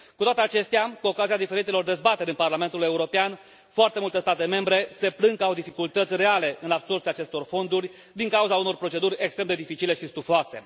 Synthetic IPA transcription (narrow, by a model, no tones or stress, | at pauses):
kut̪oat̪e̞at͡ʃe̞st̪eakuo̞kaziad̪ife̞ɾit̪elo̞rd̪e̞zbat̪e̞ɾʲɨnparlame̞nt̪ule̞uɾo̞pean | foart̪e̞mult̪e̞st̪at̪e̞me̞mbɾe̞se̞plɨŋkawd̪ifikult̪ət̪sʲre̞ale̞ʔɨnabsort̪siaːt͡ʃe̞st̪o̞rfo̞nd̪urʲ | d̪iŋkauzauno̞rpɾo̞t͡ʃe̞d̪urʲe̞kst̪ɾe̞md̪ed̪ifit͡ʃile̞ʃist̪ufoase̞̰